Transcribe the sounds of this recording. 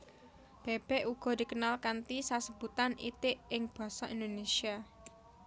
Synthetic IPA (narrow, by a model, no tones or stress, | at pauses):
b̥e̤b̥ɛ̤ʔuɡ̥ɔ̤d̪̥i̤kənalkant̪isasəb̥ut̪anḭt̪ɪʔɪŋb̥ä̤sɔʔind̪onesia